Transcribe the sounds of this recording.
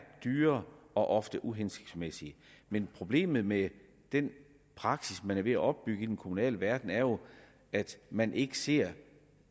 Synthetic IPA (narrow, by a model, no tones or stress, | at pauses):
d̥yːɐɒ̽ʔɒ̽fd̥əʔuɦense̥ɡ̥smesiə | menpʰʁo̝b̥le̝̰ːmð̞̩ˠme | d̥en | pʰʁɑ̈ɡ̥sismænæɐʋe̝æʔɒ̽b̥ːyɡ̥əid̥enkʰomunɛ̰ːləʋæɐd̥n̩æɐjo̝ | æd̥mænʔe̝ɡ̥əse̝ɐ̰